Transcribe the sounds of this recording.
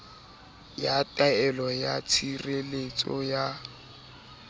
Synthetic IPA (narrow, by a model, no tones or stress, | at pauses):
jatʼaɛlɔjat͡sʰirelet͡sʼɔ̰ja